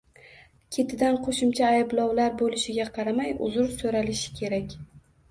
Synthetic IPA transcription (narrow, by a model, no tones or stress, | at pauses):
kʲʰe̞t̪ʰɪd̪anqʰoʃʊmt͡ʃʰaːjɪblˠɒwlaɾbolɪʃɪɡʲaqʰɑɾamajʊ̰zʊɾsoɾalɪʃɪ̥kʲʰe̞ɾakʲ